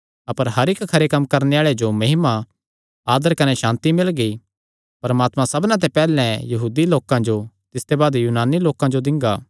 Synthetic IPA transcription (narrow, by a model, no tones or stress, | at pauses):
ɐpəɾɦɐɾɪkʰɐɾekɐmːkɐɾneaːɭed͡ʒomɐɦɪma | aːd̪əɾkɐneʃãːnt̪imɪlɡi | pɐɾmaːt̪mãsɐbnãt̪̬epɛːlɛ̃jɐɦuːd̪iloːkãd͡ʒo | t̪ɪst̪ebaːd̪juːnaːniloːkãd͡ʒod̪ɪ̃ŋɡaː